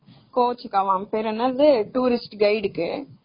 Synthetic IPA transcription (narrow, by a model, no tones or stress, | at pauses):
koːt͡ʃikɐʋaːmpeɾɐnɐleʈuːɾɪsʈɡɐjɖkɨ